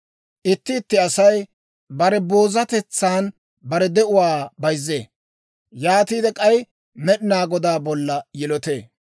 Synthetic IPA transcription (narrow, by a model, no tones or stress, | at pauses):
ʔɪt̪ːɪːt̪ːɪɐsɐj | bɐɾɛbo̞ːzɐt̪ɛt͡sːaːn | bɐɾɛd̪ɛʔʊwaːbɐjzːḛː | jaːt̪iːd̪ɛkʼɐj | mɛɗɪnaːɡɔd̪aːbɔlːɐjɪlɔt̪ḛː